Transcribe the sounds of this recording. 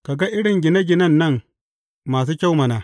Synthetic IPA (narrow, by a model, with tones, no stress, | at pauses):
ka˨ɡa˦ʔɪ˦ɽɪ˨ŋɡʲɪ˨nɐ˦ɡʲɪ˨nɐ˦nːɐ˦ŋ | maː˨s̬uː˦kʲa˦wmɐ˨naː˨